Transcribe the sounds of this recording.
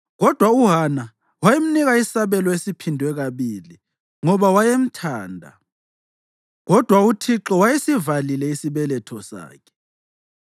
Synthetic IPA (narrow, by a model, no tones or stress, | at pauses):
ɣɔd̥ʱwauɦana | wajem̩niɣaisaβɛlɔesipʰindʱwɛɣaβili | ŋɔβawajem̩tʰaːndʱa̰ | ɣɔd̥ʱwautʰiǁɔwajesivalilɛisiβɛlɛtʰɔsa̰ːkʰɛ̥